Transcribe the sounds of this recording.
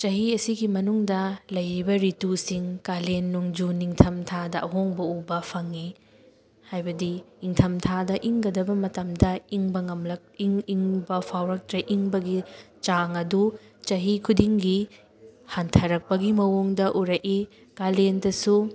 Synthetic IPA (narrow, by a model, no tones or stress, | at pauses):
t͡ʃɐɦiɐsiɡimɐnuŋdɐlɐjɾibɐɾitusiŋkalenːuŋd͡ʒuniŋtʰɐmtʰadɐʔɐɦoŋbɐubɐpʰɐŋi | hajbɐdiː | ŋtʰɐmtʰadɐʔiŋɡɐdɐbɐmɐtɐmdɐiŋbɐŋɐmlɐk̚iŋiŋbɐpʰawɾɐk̚tɾɐʔiŋbɐɡi | t͡ʃaŋɐdu | t͡ʃɐɦikʰudiŋɡi | hantʰɐɾɐk̚pɐɡimɐwoŋdɐʔuɾɐki | kalendɐsu